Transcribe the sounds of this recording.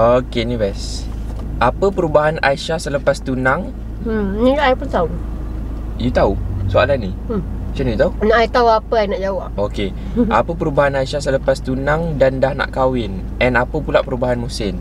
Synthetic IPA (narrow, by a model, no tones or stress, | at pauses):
okenibɛs | ʔapəpəɾubaɦana̰jʃahsələpast̪unãŋ̩ | nĩaʔajpunt̪au | jut̪ausua̰lanːĩ | t͡ʃanijut̪aunaʔajt̪auapəajnaʔd͡ʒawaʔoke | a̰pəpəɾubaɦanajʃasələpast̪unãŋdandahna̰ʔkawɪn | ɛnapəpulaʔpəɾubaɦanmusɪm